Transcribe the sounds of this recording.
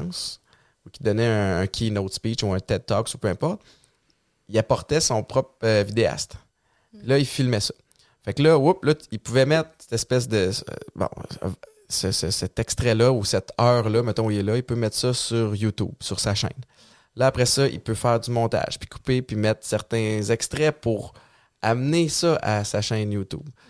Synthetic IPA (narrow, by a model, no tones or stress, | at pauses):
s | ukʲid̪ʌnɛ̃ːkʲʰinot̪spit͡ʃuɛ̃t̪ɛt̪ːɔksu̥pøɛ̃pɔʁt̪̚ | iapɔʁt̪ɛsɔ̃pχɔpvid̪ea̰st̪ | lʌilfilmɛsʌ̥ | faklʌwuplʌilpuvɛmɛt̪χsɛ̥t̪ɛspɛs̬d̪ə̰bɔ̰̃ | səsəsɛt̪ɛkst̪ʁɛlʌusɛt̪œːʁlʌmɛt̪ɔ̃ilɛlʌipømɛt̪sʌsyʁjut̪ṵbsyʁsaʃɛ̰̃ɪn | lʌapʁɛsʌʔḭpøfɛːʁd͡z̪ymɔ̃ːt̪a̰ʒ̥pi̥ku̥pepimɛt̪χsɛʁt̪ɛ̃zɛkst̪ʁɛpuʁ | amnesʌʔasaʃɛ̃njut̪ṵb